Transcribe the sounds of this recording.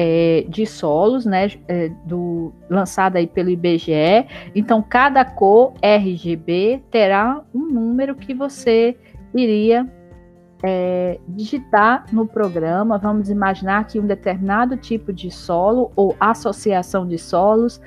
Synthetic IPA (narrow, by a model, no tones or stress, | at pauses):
ɛd͡ʒɪsɔlʊsnɛɛd̪ʊ | lɐ̃sad̪ʊaipelʊibeʒeɛẽnt̪ɐ̃w̃kad̪ɐkoɛɦɪʒebet̪eɾaũnũmeɾʊkɪvose | iɾiɐ | ɛd͡ʒiʒit̪aɾnʊpɾoɡɾɐ̃mɐvɐ̃mʊzimaʒinaɾkɪũd̪et̪eɾmĩnad̪ʊt͡ʃipʊd͡ʒɪsɔlʊoʔasosiasɐ̃w̃d͡ʒɪsɔlʊs